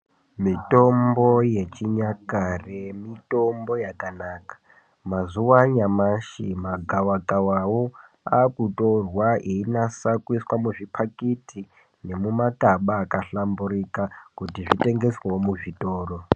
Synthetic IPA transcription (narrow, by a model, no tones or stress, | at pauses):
mito̞mbo̞je̞t͡ʃiɲakare̞mito̞mbo̞jakanaːkḁ | mazuwaɲamaʃimaɡʱawakʼawawo̞ | a̰kutorwaʔeinasakwiswamuʐipʰakitʰi | ne̞mumakaɓaːkaɬamburikakutiʐite̞ŋɡe̞swewomuʐito̞ːro̞